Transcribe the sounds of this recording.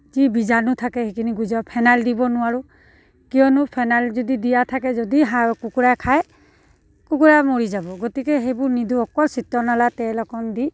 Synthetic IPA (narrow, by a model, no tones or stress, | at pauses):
zibizanut̪ʰakɛhekʰiniɡujzɔpʰajnaldibɔnʊwaɹu | kijɔnʊpʰajnalzɔdidijat̪ʰakɛzɔdiɦakukuɹajkʰaj | kukuɹamoɹizabɔɡɔtikɛɦejbʊɹniduɔkɔlsitːɔnalatɛlɔkɔndi